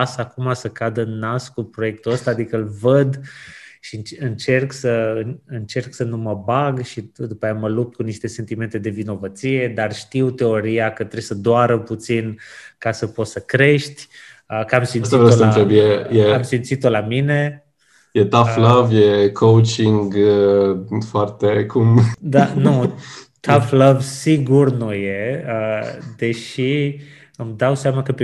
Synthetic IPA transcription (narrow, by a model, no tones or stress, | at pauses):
asakumasəkad̪əɨnːaskupɾo̞je̞k̚t̪uəst̪aːd̪ikəɨlvəd̪ʃinɨnt͡ʃe̞rksəɨnɨnt͡ʃe̞rksənuməbaɡʃid̪upajaməlup̚t̪̚kuniʃt̪e̞se̞nt̪ime̞nt̪e̞d̪e̞vino̞vət̪sie̞d̪arʃt̪iwt̪e̞o̞ɾiakət̪ɾesəd̪oaɾəput̪sinkasəpo̞t̪səkɾe̞ʃt̪ʲ | əkamsinst̪aivɾewsənt̪ɾebjejeamsimt̪sit̪olamine̞ | jet̪afləvjekʰowt͡ʃiŋɡ | foart̪ekʰumd̪anut̪afləvsiɡurnuje̞əd̪e̞ʃi | ɨmd̪awseamakəpe